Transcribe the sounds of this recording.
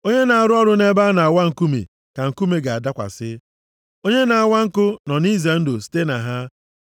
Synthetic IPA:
o˦ɲe˦na˨a˨ɾʊ˦ɔ˦ɾʊ˦ne˦ba˦na˨a˨wa˦ŋ̩˨ku˦mḛ˨ | ka˨ŋ̩˨ku˦me˦ɡa˨a˨da˦kʷa̰˨sɪ˦ | o˦ɲe˦na˨a˨wa˦ŋ̩˦kʊ˦nɔ˨ni˦ze˨n̩˦do˨ste˦na˨ɦa˦

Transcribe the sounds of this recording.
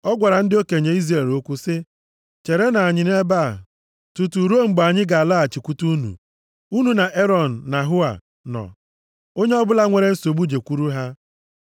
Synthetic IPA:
ɔ˦ɡʷa˨ɾa˨n̩˦dɪ˦o˦ke˨ɲe˨i˦zɾe˨ɾo˦kʷu˦sɪ˦ | t͡ʃe˨ɾe˦na˨a˨ɲɪ˨ne˦ba˦˨ | tu˨tu˨ɾo˦ŋ͡m̩˨ɡ͡ba˨ɲɪ˦ɡa˨a˨la˦a˨t͡ʃi˨kʷu˦tu˦nṵ˨ | u˦nu˨na˨ʔe˦ɾɔ˨n̩˨na˨ɦʊ˦a̰˨ | nɔ̰˨ | o˦ɲe˦ɔ˦bʊ˦la˦ŋʷe˨ɾe˦n̩˦so˨ɡ͡bu˦d͡ʒe˨kʷu˦ɾu˦ɦa˦

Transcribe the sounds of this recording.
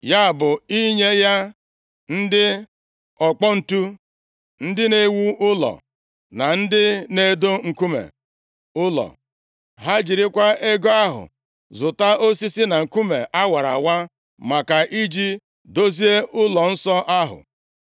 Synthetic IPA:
ja˦˨bʊ˨i˦ɲe˦ja˦ | n̩˦dɪ˦ | ɔ˨k͡pɔ˦n̩˨tu˦ | n̩˦dɪ˦ne˦wu˦ʊ˦lɔ̰˨ | na˨n̩˦dɪ˦ne˨do˦ŋ̩˨ku˦mḛ˨ | ʊ˦lɔ̰˨ | ɦa˦d͡ʒi˨ɾɪ˦kʷa˦ʔe˦ɡo˦a˦ɦʊ̰˨ | zʊ˨ta˦o˦si˦si˦na˨ŋ̩˨ku˦me˨ʔa˦wa˨ɾa̰˨wa˦ | ma˨ka˨ʔi˦d͡ʒi˦ | do˦zi˦e˦ʊ˦lɔ˨n̩˦sɔ˦ʔa˦ɦʊ̰˨

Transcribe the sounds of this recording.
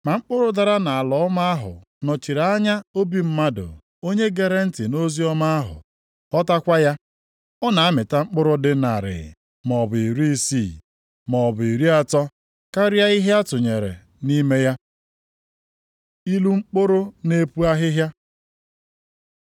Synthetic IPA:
ma˨ŋ͡m̩˦k͡pʊ˦ɾʊ˦da˨ɾa˦na˨a˨lɔ˨˦ɔ˦ma˦a˦ɦʊ̰˨ | nɔ˨t͡ʃi˨ɾa˨a˦ɲa˦o˦bi˦m̩˦ma˦dʊ̰˨ | o˦ɲe˦ɡe˦ɾe˦n̩˦tɪ˨no˦zi˦ɔ˦ma˦a˦ɦʊ̰˨ | ɔ˦ta˦kʷa˦ja˦ | ɔ˦na˨a˦mɪ˨ta˦ŋ͡m̩˦k͡pʊ˦ɾʊ˦dɪ˦na˨ɾɪ̰˨ | mɔ˨bʊ˨i˨ɾi˦si˦˨ | mɔ˨bʊ˨i˨ɾi˦a˦tɔ˦ | ka˦ɾja˦i˦ɦe˦a˦tʊ˨ɲe˨ɾḛ˨ | ni˦me˦ja˦ | i˦lu˦ŋ͡m̩˦k͡po˦ɾʊ˦ne˦pu˦a˦ɦɪ˦ɦja˦

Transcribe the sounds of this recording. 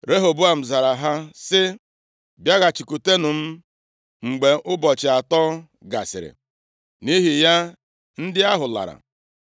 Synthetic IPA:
ɾe˦ɦo˨bu˦a˨m̩˨za˨ɾa˨ɦa˦sɪ˦ | bja˦ɣa˨t͡ʃi˨ku˨te˦nʊ˨m̩˦ | ŋ͡m̩˨ɡ͡be˨ʔʊ˦bɔ˨t͡ʃɪ˨a˨tɔ˦ | ɡa̰˨sɪ̰˨ɾɪ̰˨ | ni˦ɦi˨ja˦ | n̩˦dɪ˦a˦ɦʊ˨la̰˨ɾa̰˨

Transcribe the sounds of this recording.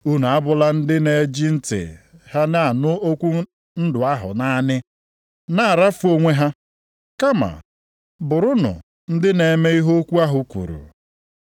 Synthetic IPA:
u˦nu˨a˦bʊ˨˦la˦n̩˦dɪ˦ne˨˦d͡ʒi˦n̩˦tɪ̰˨ha˦na˦a˨nʊ˦o˦kʷu˦ | n̩˦dʊ˨a˦ɦʊ̰˨na˦nɪ˦ | na˦a˨ɾa˦fu˨˦o˦ŋʷe˦ɦa˦ | ka˦ma̰˨ | bʊ˨ɾʊ˦nʊ̰˨ | n̩˦dɪ˦ne˨me˦i˦ɦo˦kʷu˦a˦ɦʊ˨kʷṵ˨ɾṵ˨

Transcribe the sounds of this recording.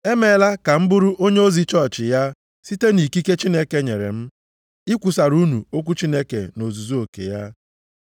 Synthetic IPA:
e˦me˨˦la˦ka˨m̩˦bʊ˦ɾʊ˦ʔo˦ɲe˦o˦zi˦t͡ʃɔ˦˨t͡ʃɪ˨ja˦ | si˦te˦ni˨ki˦ke˦t͡ʃi˦ne˦ke˦ɲe˨ɾḛ˨m̩˦ | ɪ˦kʷu˨sa˨ɾu˦nu˨o˦kʷu˦t͡ʃi˦ne˦kḛ˨no˨zu˨zu˦o˨kḛ˨ja˦

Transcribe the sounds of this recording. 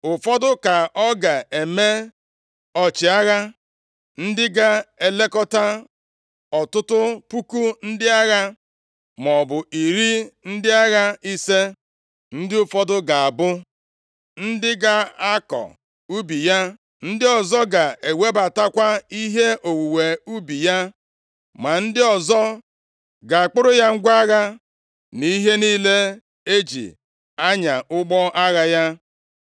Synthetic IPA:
ʊ˨fɔ˦dʊ˦ka˨ʔɔ˦ɡa˨e˨me˦ | ɔ˨t͡ʃɪ˨a˦ɣa˦ | n̩˦dɪ˦ɡa˦e˨le˦kɔ˦ta˦ | ɔ˨tʊ˦tʊ˦pu˦ku˦n̩˦dɪ˦a˦ɣa˦ | m˨ɔ˨bʊ˨i˨ɾi˦n̩˦dɪ˦a˦ɣa˦i˦se˦ | n̩˦dɪ˦ʊ˨fɔ˦dʊ˦ɡa˨a˨bʊ˦ | n̩˦dɪ˦ɡa˦a˦kɔ̰˨ | u˦bi˨ja˦ | n̩˦dɪ˦ɔ˨zɔ˦ɡa˨e˨we˦ba˨ta˦kʷa˦i˦ɦe˦ʔo˨wu˨we˨u˦bi˨ja˦ | ma˨n̩˦dɪ˦ɔ˨zɔ˦ | ɡa˨a˨k͡pʊ˦ɾʊ˦ja˦ŋ̩˦ɡʷa˦ɣa˦ | ni˦ɦe˦niː˦le˦ | e˦d͡ʒḭ˨ | a˦ɲa˨ʔʊ˦ɡ͡bɔ˦ʔa˦ɣa˦ja˦

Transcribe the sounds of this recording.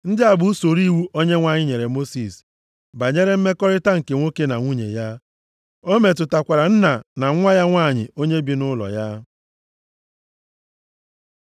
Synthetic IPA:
n̩˦dɪ˦a˨bʊ˨˦u˦so˨ɾi˦wu˦ʔo˦ɲe˦ŋʷa˦˨ɲɪ˦ɲe˨ɾe˨mo˦si˨s | ba˨ɲe˦ɾe˦m̩˦me˦kɔ˦ɾɪ˦ta˦ŋ̩˨ke˨ŋʷo˦ke˦na˨ŋʷu˦ɲḛ˨ja˦ | o˦me˨tʊ˨ta˨kʷa˨ɾa˨n̩˦na˨na˨ŋ̩˦ŋʷa˦ja˦ŋʷa˦˨ɲɪ̰˨o˦ɲe˦bi˦nʊ˦lɔ̰˨ja˦

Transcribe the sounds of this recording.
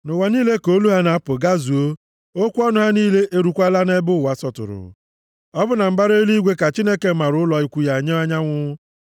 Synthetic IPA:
nʊ˨wa˨niː˦le˦ko˦lu˦ɦa˦na˨a˦pʊ˨ɡa˦zu˨o˦ | o˦kʷɔ˦nʊ˦ɦa˦niː˦le˦ʔe˦ɾu˨kʷa˦la˦ne˦bʊ˦˨wa˨sɔ˨tʊ̰˨ɾʊ̰˨ | ɔ˦bʊ˦na˨m̩˦ba˦ɾe˦li˦ɡʷe˦ka˨t͡ʃi˦ne˦ke˨˦ma˨ɾʊ˦ʊ˦lɔ˨i˨kʷu˨ja˨ɲe˦a˦ɲa˦ŋʷʊ˦

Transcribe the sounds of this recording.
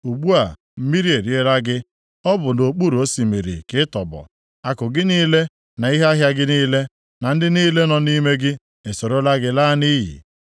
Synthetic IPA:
u˨ɡ͡bu˦a˨ | m̩˦mi˦ɾi˦e˨ɾi˨˦e˦la˦ɡɪ˦ | ɔ˦bʊ˨no˨k͡pu˦ɾo˦si˨mi˨ɾḭ˨kɪ˦tɔ̰˨bɔ̰˨ | a˨kʊ˨ɡɪ˦niː˦le˦ | na˨i˦ɦe˦a˦ɦja˦ɡɪ˦niː˦le˦ | na˨n̩˦dɪ˦niː˦le˦nɔ˨˦ni˦me˦ɡɪ˦ | e˨so˨ɾo˦la˦ɡɪ˦laː˦ni˦jḭ˨

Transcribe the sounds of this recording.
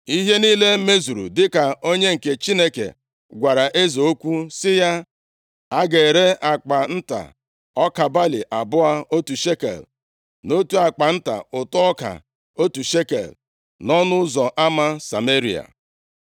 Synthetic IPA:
i˦ɦe˦ni˦le˦me˦zu˨ɾṵ˨dɪ˦ka˨o˦ɲe˦ŋ̩˨ke˨t͡ʃi˦ne˦kḛ˨ | ɡʷa˨ɾa˨ʔe˦zo˨o˦kʷu˦sɪ˦ja˦ | a˦ɡe˨ɾe˦ʔa˨k͡pa˨n̩˦ta̰˨ | ɔ˦ka˨ba˦lḭ˨ʔa˨bʊ˦a˦o˦tu˨ʃe˦kḛ˨l | no˦tu˦a˨k͡pa˨n̩˦ta̰˨ʊ˨tʊ˦ɔ˦ka̰˨ | o˦tu˨ʃe˦kḛ˨l | nɔ˦nʊ˦zɔ˨ʔa˦ma˦sa̰˨me˦ɾi˨a̰˨

